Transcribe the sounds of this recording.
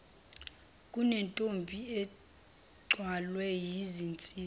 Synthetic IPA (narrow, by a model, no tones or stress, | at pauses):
kʼunɛntʼombʱiɛ | ɡ͡ǀʱwalwɛjizint͡sʼiː